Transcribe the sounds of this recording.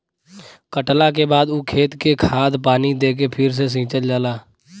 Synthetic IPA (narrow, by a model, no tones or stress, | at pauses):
kəʈlak̬ebaːd̪uːkʰeːt̪kekʰaːd̪paːnid̪eːk̬epʰɪɾs̬es̬ĩːt͡ʃəld͡ʒəːlaː